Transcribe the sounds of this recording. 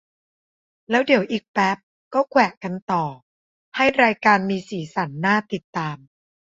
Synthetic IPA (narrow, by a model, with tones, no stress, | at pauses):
lɛː˦˥wdi˨˩˦wʔiː˨˩k̚pɛ˦˥p̚ | kɔː˥˩kʰwɛː˨˩ʔka˧nt̪ɔː˨˩ | ha˥˩jɾaː˧jkaː˧nmiː˧siː˩˦sa˩˦nːaː˥˩t̪i˨˩t̪ːaː˧m